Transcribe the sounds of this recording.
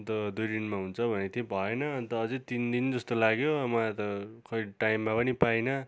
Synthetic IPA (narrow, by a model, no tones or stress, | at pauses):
t̪ʌd̪ujd̪inmaɦunt͡sʰʌbʱʌnet̪ʰebʱʌenʌːnt̪ʌːd͡zet̪ind̪ind͡zʌst̪olaɡjomʌt̪ʌkʰʌjʈajmːapʌnipajnʌ